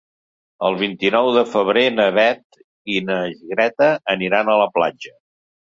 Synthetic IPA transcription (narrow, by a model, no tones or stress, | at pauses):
əlˠβ̞int̪inɔwðəfəβ̞ɾenəβɛt̪ | inəʒiɣɾɛt̪əːniɾanələpla̰d͡ʒə